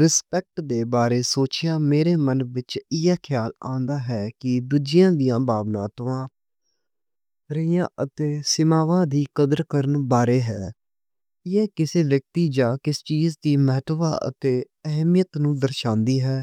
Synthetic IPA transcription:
ɾɪspɛk̚ʈd̪eːbaːɾeːsoːt͡ʃɪjaːmeːɾeːmənʋɪt͡ʃɪjɛːkʰɪjaːlãːnd̪aːɦɛːkɪd̪uːd͡ʒɪjãːd̪ijãːbaːʋnã̰ːt̪oãː | ɾəɪjãːʔət̪eːsɪmaːʋãːd̪iːkəd̪əɾkəɾənbaːɾeːɦɛː | ɪɛːkɪseːʋjək̚t̪iːd͡ʒaːkɪst͡ʃiːzd̪iːmɛɦt̪ba̰ːʔə̰t̪eː | əɦmɪjət̪nũːd̪əɾʃãːnd̪iːɦɛː

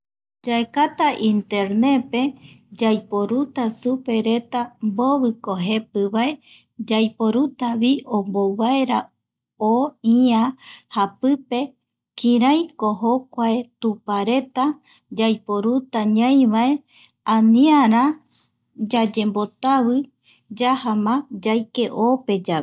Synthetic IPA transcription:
d͡ʒaekat̪aʔint̪e̞ɾne̞pe̞ | d͡ʒajpoɾut̪asupe̞ɾe̞t̪amboβɨkoɦe̞pɨβae̞ | d͡ʒajpo̞ɾut̪aβiomboβaeɾa | oiahapɨpe̞ | kʰĩɾajkoɦo̞kʷaet̪upaɾe̞t̪a | d͡ʒajpo̞ɾut̪aɲãj̃ʋae̞ | ãniaɾã | d͡ʒad͡ʒe̞mbo̞t̪aβɨ | d͡ʒahamãd͡ʒajke̞ʔope̞d͡ʒae

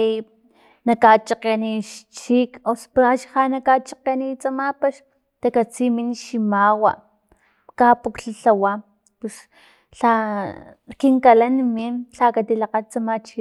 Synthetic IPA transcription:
nakat͡ʃaqeniʃt͡ʃikospaʃhanakat͡ʃaqenit͡samapaʃ | t̪akat͡siminʃimawa̰ | kapukɬaɬawa | pus | ɬa | kiŋkalanminɬakat̪ilaqat͡samat͡ʃi

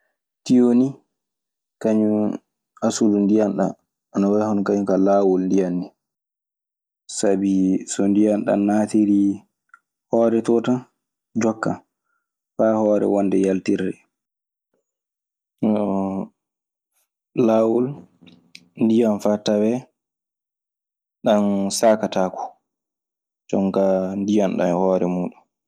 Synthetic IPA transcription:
tijoni | kaɲu | asulundijanɗa̰ | anawahɔnkaɲukalawulndijanːi | sabisɔndijanɗa̰naːtiɾi | hɔːɾɛtɔta | d͡ʒɔkːa | fahɔːɾɛ̰wɔndɛjaltiɾɛ | lawul | ndijanfatawɛ | ɗansaːkataku̥ | t͡ʃɔŋkandijanɗa̰nhɔːɾɛmuːɗun

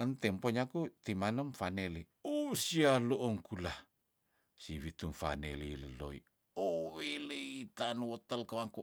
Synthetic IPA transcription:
ənt̪ɛmpoɲakut̪imanəmfaneli | osialoʔoŋkulah | siwit̪umfa̰neliləlo̰ḭ | oweləit̪anuwot̪əlkəwaŋku

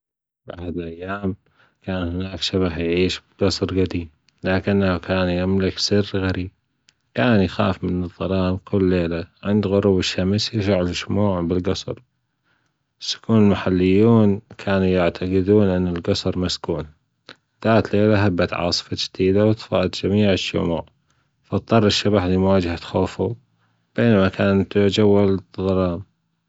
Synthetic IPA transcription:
bʔa̰ħad̪lʔajːaːm | kaːnhɪnaːkʃaβahjʕiːʃɡɑsˤɾɣad̪iːb | laːkɪnːahukaːnjamlɪksɪrɣaɾiːb̚ | kaːnjxa̰ːfmɪnɨðˤːɑlɑːmkʰʊlːeːlaʕɪnd̪ɣʊɾubɪʃːamsjɪʃaʕlɪʃmuːʕbɪlɡɑsˤɾ | sʊ̥kʰuːnɪlmaħalːɪjːuːnkʰaːnujaʕt̪ʰaɡɪd̪uːnʔɪnːɪlɡɑsˤɾˤmaskuːn | ðaːt̪leːlaɦabːat̪ʕɑ̰ːsˤɨ̥fad͡ʒd̪iːd̪awt̪fɑ̰ʔt̪d͡ʒamiːʕɪʃːʊ̰mṵːʕ | fɑt̪̚ˤːɑrˤːɪʃːabaħliːmwaːd͡ʒahat̪xoːfu | b̥eːnamakaːnt̪d͡ʒawːalðˤɑlɑːm

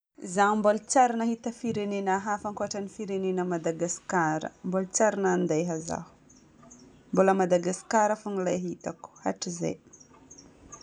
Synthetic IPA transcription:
zaumbolt͡saɾinahit̪əfiɾenenaɦafaŋkuaʈ͡ʂanifiɾenenəmad̪aɡaskaɾə̰mbolt͡saɾinand̪ajɦaza̰hu̥ | mbuləmad̪aɡasi̥kaɾafunilajɦit̪aku̥ha̰ʈ͡ʂiza̰j

